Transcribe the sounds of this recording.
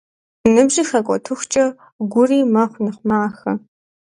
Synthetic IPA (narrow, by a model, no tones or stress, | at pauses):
nɨbʑixɐkʷʼɔ̰tʰɨxʷt͡ʃʼɐ | ɡʷʊriːmɐχʷnɨχʷmaːxɐ